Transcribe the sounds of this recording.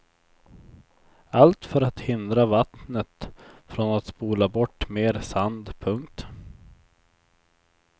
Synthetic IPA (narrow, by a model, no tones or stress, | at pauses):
alt̪fœɾat̪hɪnd̪ɾavat̪nət̪fɾɔnat̪spuːlabɔʈːmeːɾsand̪pʰɵŋk̚t̪